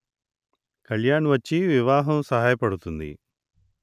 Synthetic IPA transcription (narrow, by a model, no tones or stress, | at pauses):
kɐɭjaːɳʋɐt͡ʃːiʋiʋaːɦɐmsɐɦaːjɐpɐɽut̪ːund̪ḭ